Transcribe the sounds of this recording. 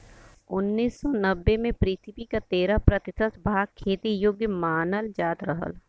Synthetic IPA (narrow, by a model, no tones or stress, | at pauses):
ʊnːiːsːɔnɐbːemẽpɾiːt̪ʰɪpikat̪eːɾapɾɐt̪ɪsəsbʱaːɡ̚kʰːeːt̪ijoɡjəmaːnəld͡ʒaːt̪ɾəɦə̰l